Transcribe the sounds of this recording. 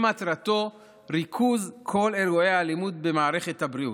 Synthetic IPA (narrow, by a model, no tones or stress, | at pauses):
mat̪ɾat̪o̞ | ɾikʰuzkʰo̞le̞luejhalimud̪be̞maːɾe̞χe̞thabɾiu